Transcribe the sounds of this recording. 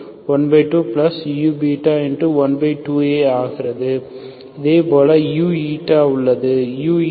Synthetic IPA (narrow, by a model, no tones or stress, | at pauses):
ʋɐnbɐɪʈːuːplɐsjuːbiːʈːaːɛnrɯʋɐnbɐɪʈːuːeːaːɣɪɾɐðɯ | ɪðeːpoːlɐjuːiːʈːaːʊɭːɐðɯjuː